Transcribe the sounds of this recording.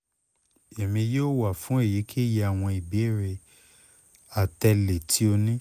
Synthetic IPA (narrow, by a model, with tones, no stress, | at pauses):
e˨mĩ˧joː˦wa˨fũ˨˦e˦˨ji˨˦kʰi˦˨je˧a˦˨w̃ɔ̃˧i˨bi˨˦˨ɾe˧ | a˨tɛ˧le˨tʰi˨˦o˧nĩ˦